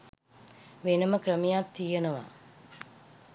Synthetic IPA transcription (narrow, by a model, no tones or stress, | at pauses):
ʋenəməkrəmejat̪ːijenəʋa̰